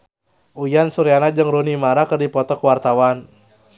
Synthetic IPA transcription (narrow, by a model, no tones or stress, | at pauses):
ʔujansuɾianad͡ʒɨŋɾunimaɾakɨrdipɔt̪ɔkəwart̪awan